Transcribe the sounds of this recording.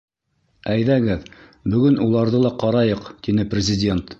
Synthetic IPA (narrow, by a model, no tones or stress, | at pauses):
æjðæɡɘð | bɵ̆ɡɵnulˠɑɾðɤlˠɑqɑɾɑjɤqt̪inɘprʲɪzʲɪdʲe̞nt̪